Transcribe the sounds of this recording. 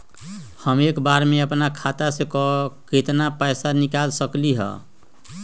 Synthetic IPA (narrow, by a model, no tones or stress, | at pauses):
həmekbaɾmeəpnakʰat̪asẽkɔket̪napəjsanikalsəkliɦə̰